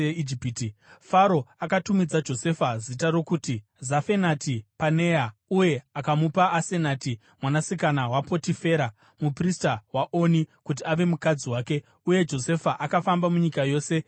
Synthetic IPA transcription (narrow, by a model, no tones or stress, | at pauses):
eid͡ʒipiːtifaɾo̞akatumid͡zad͡ʒo̞se̞fazitaɾo̞kuːti | zafe̞natipane̞jauje̞akamupaʔase̞naːti | mwanasikanawapo̞tife̞ɾa | mupristawaʔonikut̬iaʋe̞mukad͡ziwaːke̞ | uje̞d͡ʒo̞se̞faʔakafambamuɲikajo̞ːse̞